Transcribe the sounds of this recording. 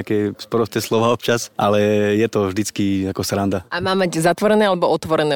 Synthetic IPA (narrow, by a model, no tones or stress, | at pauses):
akɛːspɾɔst̪ɛːslˠɔʋaːɔpt͡ʃasʔalɛjɛt̪ɔvʒd̪it͡skiakɔsɾand̪aamaːmaɟzat̪ʋɔɾɛnɛːalɛbɔɔt̪ʋɔɾɛnɛː